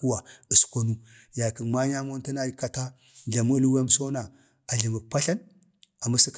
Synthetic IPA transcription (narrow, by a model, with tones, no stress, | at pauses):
u˦wa˨ə˨sko˦nu˦ | ja˨ki˨nma˦ɲa˦mo˦nti˦na˦ka˦ta˦ | ɮa˨mu˦lwa˦m˦so˦na˨ | a˨ɮi˨mu˨pa˦ɬa˦n | a˨ma˦si˦k